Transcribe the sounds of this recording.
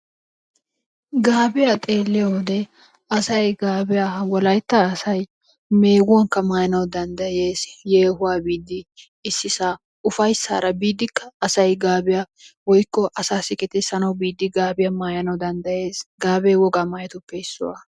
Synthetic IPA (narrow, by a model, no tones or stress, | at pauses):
ɡaːbɪjat̪ʼeːlːɪjod̪ɛ | ɐsɐjɡaːbɪjaːwɔlɐjt̪ːasɐj | me̞ːɡʊwɐŋkːɐmaːjɐnɐwd̪ɐnd̪ɐje̞ːsjeːhʊwaːbiːd̪ːɪː | sːɪsa | ʊfɐjsːa̰ːɾɐbiːd̪ːɪkːɐːsɐjɡaːbɪja | wɔjkːɔʔɐsaːsɪkʼɛt̪ɛsɐnɐwbiːd̪ːɪɡaːbɪjɐmaːjɐnɐwd̪ɐnd̪ɐje̞ːsɡaːbɛjwɔɡaːmaːjɐt̪ʊpːɛɪsːʊ̰wa̰